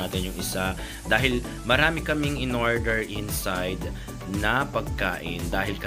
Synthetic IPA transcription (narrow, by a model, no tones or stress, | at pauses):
aːt̪ɪnjʊŋʔɪsa | d̪aːɦɪl | mɐɾaːmɪkɐmɪŋɪnoɹd̪ɛɹʔɪnsajd̪ | nɐpɐɡ̚kaːʔɪnd̪aːɦɪlkɐ